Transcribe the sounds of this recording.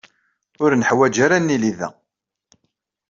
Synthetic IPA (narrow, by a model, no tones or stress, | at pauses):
ʊɾnəħwæd͡ʒaɾænːiliðæ̰